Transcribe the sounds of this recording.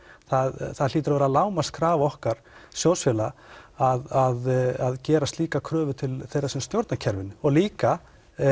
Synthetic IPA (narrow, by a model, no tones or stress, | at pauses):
θaðθaðl̥iːt̪̬ʏɾavɛɾaðlaːwmast̪̚kʰɾaːvɔhkaɾ̥sjɔw̪sfjɛlaaðaðaðcɛːɾast̪liːkakʰɾœːvʏt̪ʰɪlθejɾasɛmst̪jowɾt̪nacʰɛɾvɪnɔɣliːka